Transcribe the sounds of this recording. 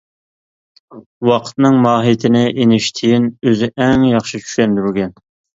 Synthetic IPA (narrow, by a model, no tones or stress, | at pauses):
wɑqʰə̥t̪nɨŋmɑːɦit̪ʰɪnɪʔenɪʃt̪ʰɪjinøzɪʔɛŋjɑχʃɨt͡ʃʰy̥ʃɛnd̪yɾɡʲɛn